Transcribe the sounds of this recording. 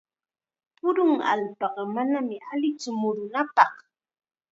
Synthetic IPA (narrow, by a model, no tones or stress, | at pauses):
pʊɾʊŋa̰lpɑqɑmanamɪalɪt͡sʊmʊɾʊnapɑh